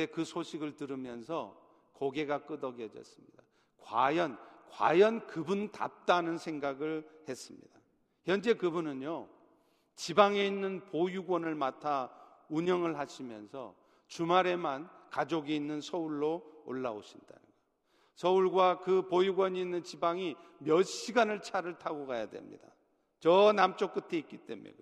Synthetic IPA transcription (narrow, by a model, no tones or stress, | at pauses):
ekɯsʰoɕʰiɡɯɭtɯɾɯmjʌnsʰʌ̰ | koɡe̞ɡak͈ɯdʌɡjʌd͡ʑʌ̰s͈ɯmɲida | kwajʌnkwa̰jʌnkɯbunta̰p̚t͈anɯnsʰe̞ŋɡaɡɯɭhe̞s͈ɯmɲḭda | çjʌnd͡ʑe̞kɯbunɯnjo | t͡ɕibaŋe̞inːɯnpojuɡwʌnɯɭmatʰauɲʌŋɯɭɦaɕʰimjʌ̰nsʰʌ̰ | t͡ɕumaɾe̞mankad͡ʑoɡiinːɯnsʰʌuɭːoo̰ɭːa̰o̰ɕʰinda̰nɯ̰nɡa | sʰʌuɭɡwakɯpojuɡwʌɲiːnːɯnt͡ɕibaŋimjʌɕ͈iɡanɯɭt͡ɕʰaɾɯɭtʰaɡoɡajadwe̞̰mɲḭda | t͡ɕʌnamt͡ɕ͈ok͈ɯtʰeik͈it͈e̞̰mṵjo̰